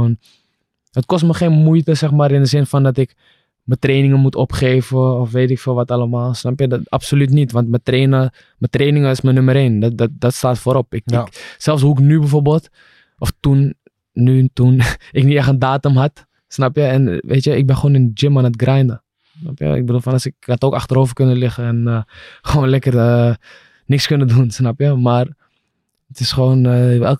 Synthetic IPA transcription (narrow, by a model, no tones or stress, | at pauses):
on | ətkɔstməχeːnmujtəsɛxmaːɾɪndəzɪnfɔndɔtɪk | mətreːnɪŋənmutʰɔ̰pχeːvəɔfʋeːtɪkfəːʋɔtaləmaːlˠsnapjəda̰psolytnitʋɔntmətreːnə | mətreːnɪŋəɪsmənøməɾeːndddɔtstaːtfoːɾɔpɪksɛlˠfs̬ɦuɪknybɛfoːrbəlˠt | ʔɔftunː | ytunɪkniɛxəndaːtəmɦat | snapjəɛnʋʔḛːtjəɪɡ̚bɪnχʋoːnɪnd͡ʒɪmanətɡrɛjndə | snapjə̰ɪ̰ɡ̚bədulˠfɔnɑsɪkhatoːkaxtəɾoːvərkønəlɪχəɛnχəʋoːnlɛkərə | nɪkskønədunsnapjəmar | ətɪsχəʋoːnɛl